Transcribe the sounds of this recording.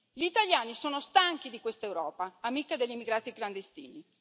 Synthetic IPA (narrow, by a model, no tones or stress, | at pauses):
ʎiːt̪aʎjaːnisoːnost̪aŋk̟id̪ikwest̪aewɾɔːpaːmikad̪eʎːimːiɡɾaːt̪ikland̪est̪ḭːni